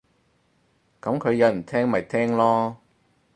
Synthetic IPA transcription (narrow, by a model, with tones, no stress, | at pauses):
kɐ˨˥mkʰɵ˨˧ɥjɐ˨˧wm̩˨˩t̪ʰɛː˥ŋmɐ˨˩jt̪ʰɛː˥ŋlɔː˥